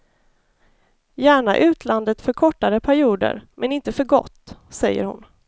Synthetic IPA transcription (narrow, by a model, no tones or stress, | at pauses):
jæːɳaʔʉ̟ːt̪ʰland̪ət̪fœɾkʰɔʈːaɾəpʰæɾɪuːd̪ə̰ɾmɛnɪnt̪əfœɾɡɔ̰t̪ːsɛjːə̰ɾhʊ̰n